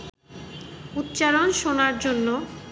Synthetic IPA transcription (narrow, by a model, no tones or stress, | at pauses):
ut̪ːt͡ɕaɾonʃonaɾd͡ʑonːo